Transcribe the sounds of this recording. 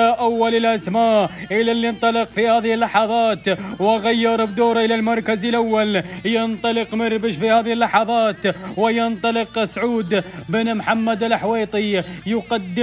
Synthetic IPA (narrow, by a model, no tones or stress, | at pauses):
aʔawːalɪlʔasmaːʔʔɪlalɪnt̪ˤɑlɪqfihaːðɪhɪlːɑħɑðˤɑːt̪wɣajːɪɾˤbd̪uːɾʔɪlalmɑɾˤkazɪlʔawːaljɪnt̪ˤɑlɪqmɑɾbɪʃfihaːðɪhɪlːɑħɑðˤɑːt̪wɪjɪnt̪ˤɑlɪqsʕuːd̪bɪnmħamːad̪alħweːt̪ˤijʊqad̪ːɪ